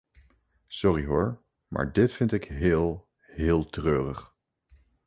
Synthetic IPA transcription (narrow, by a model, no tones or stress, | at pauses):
sɔriɦʊːɹ | ma̰ːɹdɪtfɪntɪkɦɪːlˠ | ɦɪːlˠtrøːrəχ